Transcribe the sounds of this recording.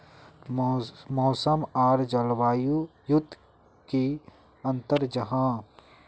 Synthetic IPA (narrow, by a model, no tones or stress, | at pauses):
mɔːsəmaːɾd͡ʒəlwaːjujʊd̪ʱ | ki | ɐ̃nt̪əɾd͡ʒɐɦãː